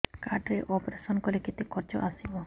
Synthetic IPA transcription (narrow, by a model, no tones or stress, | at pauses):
kaɖɾeʔɔpɾesɔnkɔleket̪ekɔɾd͡ʒɔ̰ʔasibɔ